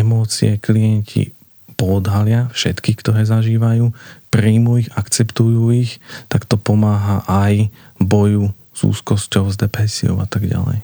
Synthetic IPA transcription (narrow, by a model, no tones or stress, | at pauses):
ɛmɔːt͡siɛklijɛɲcʰḭ | pɔːd̪ɦalɪafʃɛt̪kikt̪ɔɾɛːzaʒiːʋajuːpɾiːmuiɣakt͡sɛpt̪ujuːixt̪akt̪ɔpɔmaːɦaʔaj | bɔju | z̥ṵːskɔscɔʊzd̪ɛpɾɛsiɔ̰ʊat̪aɡɟa̰lɛ̰j